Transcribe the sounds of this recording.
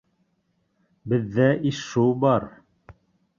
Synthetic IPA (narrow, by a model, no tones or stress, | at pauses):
bɘ̆ðːæʔiʃubɑɾ